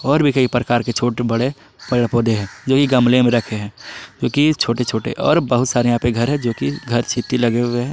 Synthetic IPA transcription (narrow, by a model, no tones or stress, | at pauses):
ɔːɾbʱikəipɾəkaːɾket͡ʃʰoːʈebɐɽe | pɐɾɽpoːd̪eɦɛ̃ːd͡ʒoːkiɡɐmlemẽɾɐkʰeɦɛ̃ːd͡ʒoːkit͡ʃʰoːʈet͡ʃʰoːʈḛʔɔ̰ːɾbəɦʊt̪saːɾejɦãːpeɡʱɐɾɦɛ̃d͡ʒoːkiɡʱɐɾt͡ʃʰit̪ilɐɡeweɦɛː